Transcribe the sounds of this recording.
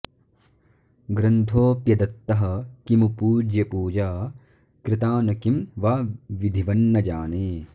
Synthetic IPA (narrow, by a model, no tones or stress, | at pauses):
ɡɾɐnt̪ʰoːpjɐd̪ɐt̪ːɐɦɐ̆kimupuːd͡ʒjɐpuːd͡ʒaː | kɾɪt̪aːnɐkimʋaːʋid̪ʱiʋɐnːɐd͡ʒaːneː